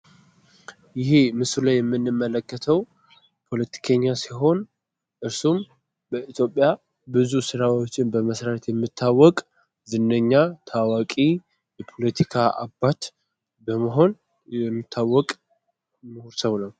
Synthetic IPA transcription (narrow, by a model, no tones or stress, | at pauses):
jɪɦemɨsulajɛmːɨnːɨmːələkːət̪ʰəw | pʰo̞lət̪ʰi̥kʰəɲːasiɦo̞n | ʔɨɾsum | bəit̪ʰjo̞pʼja | bɨzusɨɾawot͡ʃːɪnbəməsɾaɾt̪jɛmːɨt̪ʰːawːɔkʼ | zɨnːəɲːat̪ʰawakʼi | jɛpʰo̞lət̪ʰikʰaʔa̰bːat̪ | bəməɦo̞n | jɛmːɨt̪ʰːawːɔkʼ | məhuɾsəβnəw